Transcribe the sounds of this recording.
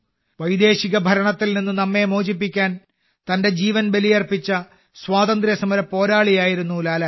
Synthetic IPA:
ʋɐjd̪e̞ːɕiɣɐbʱɐɾɐɳɐt̪ːilninːɨnɐmːe̞moːd͡ʑipːikʲːaːn | t̪ɐnde̞d͡ʑiːʋɐnbe̞lijɐrpit͡ɕːɐ | swaːt̪ɐnd̪ɾjɐsɐmɐɾɐpːo̞ːɾaːɭijaːjiɾunːulaːlɐ

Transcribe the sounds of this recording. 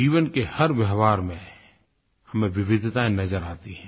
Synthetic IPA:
iːʋənkehɐɾʋjəɦʋaːɾmẽ | hɐmẽʋɪʋɪd̪ʱt̪aːẽnɐzəɾaːt̪iɦɛ̃ː

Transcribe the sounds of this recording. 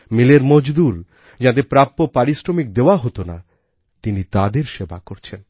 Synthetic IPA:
mileɾmod͡ʑd̪uɾ | d͡ʑat̪̬epɾapːopaɾisɾomik̚d̪eoaɦot̪ona̰ | t̪init̪ad̪eɾʃeba̰koɾt͡ɕʰen

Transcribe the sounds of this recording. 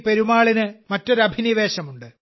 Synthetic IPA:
pe̞ɾumaːɭinɨmɐtːoɾɐbʱiniʋe̞ːɕɐmuɳɖɨ

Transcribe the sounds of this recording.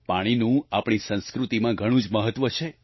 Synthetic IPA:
paɽ̃inũapɳ̃isə̃nskɾut̪imãɡʱəɽ̃ũd͡ʒməɦət̪ːʋət͡ʃʰe

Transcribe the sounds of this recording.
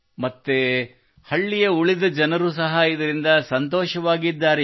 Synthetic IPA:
mɐt̪ːe | hɐɭːijɐuɭid̪ɐd͡ʒɐnɐɾus̬ɐɦɐid̪ɐɾind̪ɐsɐnt̪ɔːʃɐʋaːɡid̪ːaːɾe

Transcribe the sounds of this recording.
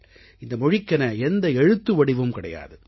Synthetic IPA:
ɪnd̪ɐmɔɻɪkːɐnɐɛnd̪ɐɛɻɯt̪ːɯʋɐɽɪʋɯmkɪɽɐ̰ja̰ːðɯ

